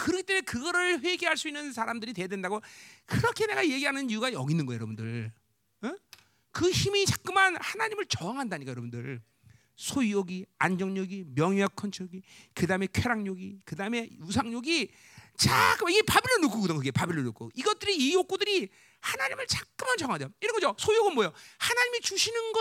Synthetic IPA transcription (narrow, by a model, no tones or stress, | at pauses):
kɯɾʌkʰit͈emenkɯɡʌɾɯɭɸwe̞ɡeɦaɭs͈uinːɯnsʰaɾamdɯɾitwe̞jadwe̞ndaɡokɯɾʌkʰe̞ne̞ɡaje̞ɡiɦanɯnijuɡajʌɡinːɯnɡʌajʌɾʌbundɯɭ | kɯçimit͡ɕak͈̚ɯmanhanaɲimɯɭt͡ɕʌaŋɦandaɲikajʌɾʌbundɯɭ | sʰojujoɡiand͡ʑʌŋɲoɡimjʌŋiakʰʌnt͡ɕʰoɡikɯdaɯme̞kʰweɾaŋɲoɡikɯdaɯme̞jus̬ʰaŋɲoɡi | t͡ɕak͈ɯmaiɡe̞pabilːɯnukʰokɯdoŋkɯɡe̞pabilːonuk͈ʰo̰iɡʌt̚t͈ɯɾiːjok͈udɯɾi | hanaɲimɯɭt͡ɕak̚k͈ɯmand͡ʑʌŋandejoiɾʌnɡʌd͡ʑosʰojujoɡɯnmwojohanaɲimit͡ɕuɕʰinɯnɡʌ